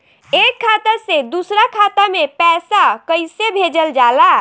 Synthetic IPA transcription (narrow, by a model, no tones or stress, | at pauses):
ekʰːat̪əɾsed̪usɾakʰat̪amepɛsakəjsebʱed͡ʒəld͡ʒala